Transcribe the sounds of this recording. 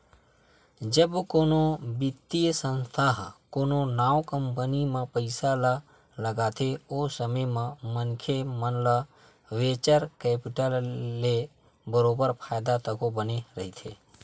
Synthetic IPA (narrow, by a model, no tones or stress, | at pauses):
d͡ʒəbkonobɪt̪ːijsə̃nst̪ʰaɦkononaʋkəmpənimãpəɪsala | ləɡat̪ʰeosəməjmãmənkʰemənla | ʋet͡ʃəɾkepɪʈəlːe | bəɾobəɾpʰaːjd̪at̪əkobəneɾəɦit̪ʰḛ